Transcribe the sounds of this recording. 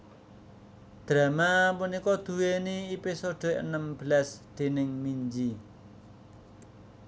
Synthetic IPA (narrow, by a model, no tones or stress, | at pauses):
d̪̥ɾamamunikɔd̪̥uweniːpisoɖ̪oʔənəmbəlasd̪̥e̤nɪŋmiɲd͡ʒi